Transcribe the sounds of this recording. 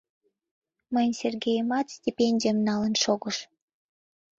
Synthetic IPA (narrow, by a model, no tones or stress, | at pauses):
mənʲsʲerɡʲejmɑt̪sʲtʲipʲenʲdʲiəmnɑlənʃoɡə̆ʃ